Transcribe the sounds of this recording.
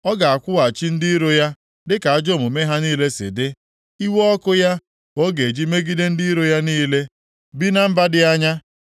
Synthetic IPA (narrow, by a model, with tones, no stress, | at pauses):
ɔ˦ɡa˨a˨kʷʊ˦wa˨t͡ʃi˦n̩˦di˦i˦ɾo˦ja˦ | dɪ˦ka˨a˦d͡ʒo˦˨mʊ˨me˦ɦa˦niː˦le˦sɪ̰˨dɪ˦ | i˦wɔ˦kʊ˦ja˦ | o˦ɡe˨d͡ʒi˦me˦ɡi˦de˦n̩˦di˦i˦ɾo˦ja˦niː˦le˦ | bi˦na˦m̩˦ba˦dɪ˦a˦ɲa˦